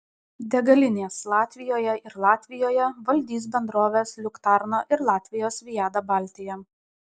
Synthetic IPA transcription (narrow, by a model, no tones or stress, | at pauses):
d̪ʲɛɡɐlʲɪnʲeːslˠɑːt̪ʲʋʲɪjoːjɛɪɾlˠɑːt̪ʲʋʲɪjoːjɛʋɐlʲd̪ʲiːs̬bʲɛnd̪ɾoːʋʲeːslʲʊkt̪ɑɾnoːʔɪɾlˠɑːt̪ʲʋʲɪjoːsʋʲɪjæːd̪ɐbɑlʲt̪ʲɪjɛ